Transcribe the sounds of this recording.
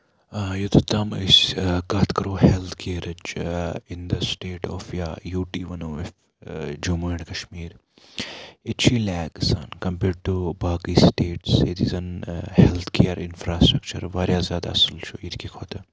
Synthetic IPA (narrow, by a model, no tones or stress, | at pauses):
jot̪ʰut̪ɐmisʲkaːt̪ʰkɐɾoːhelt̪ʰkʰeːɾɐt͡ʃind̪ɐsʈeːʈɔːfjaːjuːʈiːʋɐnoːɪf | d͡ʒumuiɳkɐʃmiːɾ | ɪt͡ʃʰiːlɛːɡsa̰ːnkɐmpeːɖ̚ʈubaːkiːsʈeːʈset̪izɐnhelt̪ʰkʰeːɾɪnfɾaːsʈɾɐkt͡ʃə̰ɾʋaːɾjaːzjaːd̪a̰ːɐsəlt͡ʃʰoit̪ʰkikʰoːt̪ɐ